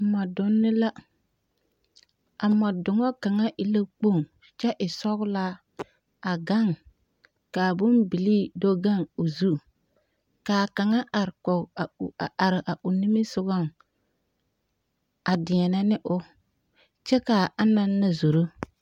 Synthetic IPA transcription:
mɔ˨dʊ˦nːɪ˦la˦ | a˨mɔ˨dʊ˨ŋɔ˦ka˨ŋa˦ʔɪ˨la˦k͡po˦˨ŋ | t͡ʃɛ˦ʔɪ˨sɔ˦ɣla˦ | a˨ɡa˦ŋ | ka˨bʊ˦nbi˨li˦do˦ɡa˦ŋʊ˨zu˦ | kaː˨ka˨ŋa˦ʔa˨ɾkɔ˨a˨a˨ɾɪ˨ʔa˨ʔʊ˨nɪ˦mɪ˦sʊ˦ɡɔ˦˨ŋ | a˨dɪ˨ɛ˨na˦nɪ˦ʔʊ˦ | t͡ʃɛ˦ka˨a˦na˦nːa˦zu˨ɾu˦

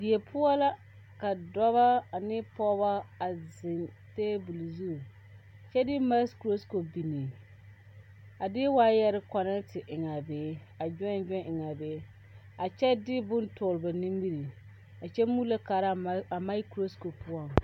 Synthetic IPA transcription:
di˨e˨pʰʊ˦a˦la˦ | ka˨dɔ˦βa˦a˨nɪ˦pɔ˦ba˦a˨zɪ˨n | teː˦bu˨li˨zu˦˨ | t͡ʃɛ˦dɪ˦ma˦skɾo˦sko˨bi˨ni˨ | a˨dɪ˦waː˦jɛ˦ɾɪ˦ka˨na˦tɪ˨ʔɪ˨ŋa˨beː˨˦ | a˨d͡ʒɔ˦˨d͡ʒɔ˦ʔɪ˨ŋa˨beː˨˦ | a˨t͡ʃɛ˦dɪ˦bʊ˦ntʊː˨lba˨ni˦mbi˦ɾi˨ | a˨t͡ʃɛ˦mu˦la˦kaː˨ɾa˦a˨ma˦i˦kɾo˦sko˨pʊ˦a˦

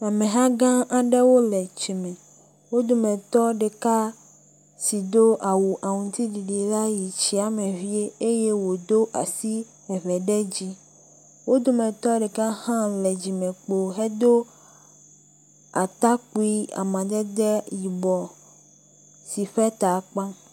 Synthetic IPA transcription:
a˨mɛ̃˨ɦã˦ɡã˦ʔa˦ɖɛ˦wo˦lɛ˨t͡ʃi˨mɛ̃˨ | wo˦d̪o˨mɛ̃˨t̪ɔ˦ɖe˨ka˦ | si˨d̪o˦ʔa˨wu˨ʔa˨ŋũ˨t̪i˦ɖi˨ɖi˨e˨la˦ji˨t͡ɕi˦a˨mɛ̃˨vi˦e˦e˦je˦wo˨d̪o˦ʔa˨si˦ | ɛ˨βɛ˨ɖɛ˦d͡ʑi˦ | wo˦d̪o˦mɛ̃˨t̪ɔ˦ɖe˨ka˦hã˦lɛ˨d͡ʑi˨mɛ̃˨k͡po˨ɦɛ˦d̪o˦ | a˨t̪a˦k͡pu˦i˦a̰˨mã˨d̪ɛ˦d̪ɛ˦ji˨bɔ˨ | si˨ɸɛ˦t̪a˨k͡pã˦

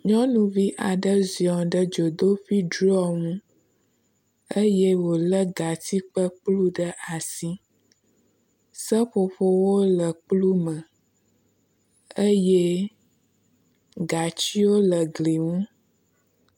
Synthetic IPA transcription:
ɲɔ̃˦nũ˨vi˦ʔa˨ɖə˦zi˨ɔ˨ɖə˦d͡ʒo˨d̪o˦fi˦ɖɾɔ˦˨ŋũ˦ | ə˦je˦wo˨lə˦ɡa˨t̪i˦k͡pə˦k͡plu˦ɖə˦ʔa˨si˦ | sə˦ɸo˨ɸo˦wo˦lə˨k͡plu˦mə̃˨ | ə˦je˦ | ɡa˨t͡ɕi˦wo˦lə˨ɡli˨ŋũ˦

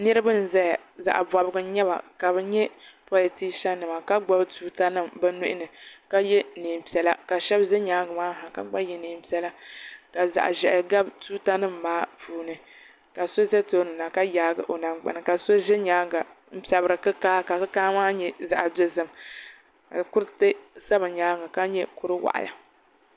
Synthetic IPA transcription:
nɨ˦ɾɨ˦bɨ˦n̩˨zɛ˦ja˨za̰˨ʔba˨bɨ˦ɡɨ˦ɲɛ˦ba̰˨ka˨bɨ˦ɲɛ˦pɔ˦lɨ˨ti˦ʃɛ˦nɨ˨ma˨ka˦ɡ͡ba˦btuː˦ta˦nɨ˦mbɨ˦nu˦ʔɪ˦nɨ˨ka˦jɛ˦niː˨m˨pi˨ɛ˨la˦ka˨ʃɛ˦bʒɛ˦ɲaː˨˦ɡmaː˦ɦa˨ka̰˨ɡ͡ba˦jɛ˨niː˨m˨pi˨˦ɛ˦la˦ka˨za̰˨ʔʒɛ˨ʔɡa˦btuː˦ta˦nɨ˦mː˨aː˦puː˨˦nɨ˨ | ka˨so˦zɛ˦to˦nɨ˨na˨ka˦jaː˨˦ɡɨ˦ʔo˨na˨mɡ͡ba̰˨nɨ˨ka˨so˦ʒɪ˦ɲaː˦ɡa˨ | m̩˦pi˨a˨bɾɨ˨kɨ˦kaː˦ka˨kɨ˦kaː˦maː˦ɲɛ˦za̰˨ʔa˨do˦zɨ˦m | a˨kʊ˦ɾtɨ˦sa˦bɨ˨ɲaː˦ŋa˨ka˦ɲɛ˦kʊ˨ɾɨ˦wa̰˨ʔa̰˨la̰˨

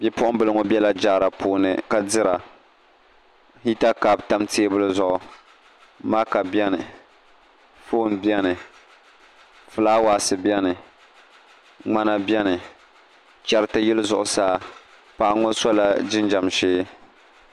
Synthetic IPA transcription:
bɛ˦pʊ˦ʔʊ˦m˦bɨ˦lɨ˦ŋo˦bɛ˦la˦d͡ʒa˦˨ɾa˨pʰuː˨nɨ˨ka˨dɨ˦ɾa˨ | hi˦ta˦ka˨bta˦mteː˦bɨ˦lɨ˦zʊ˨ʔʊ˨ | maː˦ka˨bɛ˦nɨ˨ | foː˦˨nbjɛ˦nɨ˨ | fɨ˨laː˦wa˨sɨ˨bjɛ˦nɨ˨ | ŋ͡ma˦na˦bjɛ˦nɨ˨ | t͡ʃɛ˦ɾɨ˦tɨ˦jɪ˦lɨ˦zʊ˨ʔʊ˨saː˦ | pa˨ʔŋo˦sɔ˦la˨d͡ʒɪ˦nd͡ʒa˨mʃeː˦

